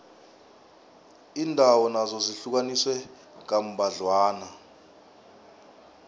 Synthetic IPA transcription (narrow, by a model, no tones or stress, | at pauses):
iːndʱawɔnazɔziɬuk̬aniswɛ | k̬ʼam̩bʱaɮwaːna